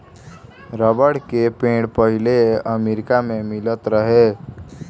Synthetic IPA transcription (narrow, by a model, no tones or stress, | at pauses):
ɾəbəɽkepẽːɽpəɦileəmeːɾɪkamẽmɪlət̪ɾəɦe